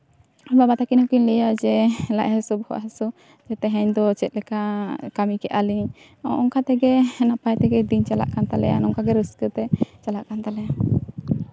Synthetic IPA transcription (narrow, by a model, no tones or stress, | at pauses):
babat̪akinhɔkinlɛjad͡ʒɛla̰ʔɦɛsubɔhɔ̰ʔɦɛsu | d͡ʒɛt̪ɛɦɛɲd̪ɔt͡ʃɛt̪̚ˀlɛkakamikɛʔaliɲ | ɔ̰ʔɔŋkat̪ɛɡɛnapajt̪ɛɡɛd̪iɲt͡ʃala̰ʔkant̪alɛ̰ja̰nɔŋkaɡɛɾəskət̪ɛt͡ʃalaʔkant̪alɛja